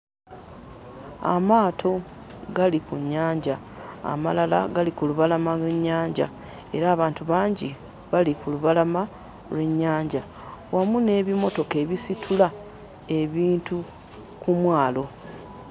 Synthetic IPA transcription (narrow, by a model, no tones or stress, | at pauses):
a̰maːtʰo̞ | ɡalikuɲːaːɲɟa | a̰ma̰lala̰ɡalikuluβalamalwe̞ɲːaːɲɟa̰ | e̞ɾaːβaːntuβaːɲɟi | βalikuluβalama | lwe̞ɲːaːɲɟa | wamune̞ːβimo̞to̞ke̞ːβisitʰula | e̞βiːntu | kumwaːlo̞